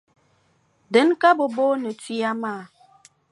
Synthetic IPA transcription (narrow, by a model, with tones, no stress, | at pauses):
də˨˦nka˦bo˨bo˦nə˨ti˦a˦maː˦˨